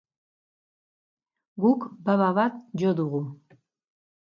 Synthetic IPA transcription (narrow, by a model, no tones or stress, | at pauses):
ɡukbaβavat̪d͡ʒɔd̪uʁu